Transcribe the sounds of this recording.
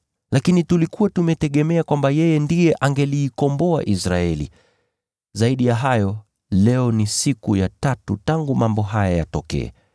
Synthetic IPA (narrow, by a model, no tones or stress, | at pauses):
lakinitulikuwatumɛtɛɠɛmɛakwambajɛjɛndijɛʔaŋɡɛliːkɔmbɔaʔisɾa̰ɛlḭ | zaiɗijaɦajɔ | lɛɔnisikujatatutaŋɡumambɔɦajaja̰tɔkɛ̰ɛ̰